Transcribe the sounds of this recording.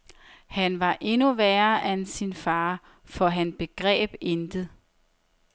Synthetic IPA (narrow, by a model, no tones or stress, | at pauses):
hænʋɑ̈ʔe̝nuʋæːɐʔænsinfɑ̈ː | fɒ̽ɦænsb̥e̝ɡ̥ʁɛ̰ːb̥end̥ð̩ˠ